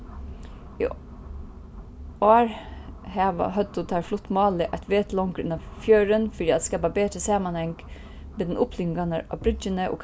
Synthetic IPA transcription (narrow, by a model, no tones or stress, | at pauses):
ḭː | oːɹhæːʋɑ̰hœd̪ʊt̪ʰɑːɾflʊt̪mɑːləʔɑt̪ʋeːt̪lɔŋkɾʉ̰nɑfjœːɾənfɔɖ̪iːɑt̪skɑlbɑːbeːt̪ɾəsɑːmɑnhɛŋɡ̥ | meːd̪ɛnʊpʰlʏŋɡɑnəʔɑ̰ːʋbɾʏd͡ʒənəʔo̰ːk